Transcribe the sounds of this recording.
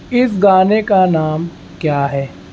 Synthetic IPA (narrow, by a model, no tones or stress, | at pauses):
ɪs̬ɡaːnekanaːm | kjaːɦɛː